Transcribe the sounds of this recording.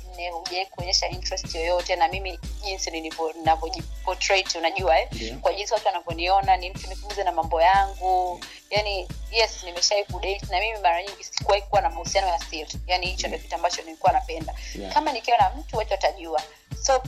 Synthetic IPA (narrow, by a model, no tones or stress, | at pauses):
n̩nɛhuʄaikuɔɲɛʃaintɹɛstjɔjɔtɛnamimiʄinsinilivɔninavɔʄipɔtɾɛtunaʄuaɛkwaʄinsiwatuanavɔniɔnanim̩tunifumuzɛnamambɔjaŋɡu | janijɛsnimɛʃaikuɗɛitinamimimaɾaɲiŋɡisi̥kuwaikuwanamahusianɔjasitjanihit͡ʃɔndiɔkituambat͡ʃɔnilikuwanapɛndakamanikɛnam̩tuwat͡ʃɔataʄua | sɔ